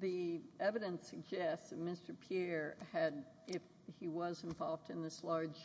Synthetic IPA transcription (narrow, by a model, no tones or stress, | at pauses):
ðiɛvɨɾɨ̃nsɨɡ̚d͡ʒɛstsɨt̚mɪstə˞pʰiɛɹɨɾ | ɪf | hiwʌzɨ̃ɱvɑlˠvdɨ̃nðɪslɑɹdd͡ʒʒ̥